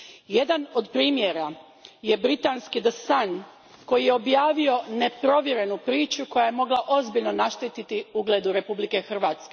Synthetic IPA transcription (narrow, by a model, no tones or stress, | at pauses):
je̞d̪ano̞d̪pɾiːmje̞ɾa | je̞bɾit̪anskid̪əsan | ko̞jijeo̞bjaːʋio̞ne̞pɾo̞ʋje̞ɾe̞nupɾiːt͡ʃuko̞jaje̞mo̞ɡlˠaʔo̞zbiʎno̞naʃt̪it̪it̪iuɡleːd̪uɾe̞publike̞xr̩ʋaːt̪ske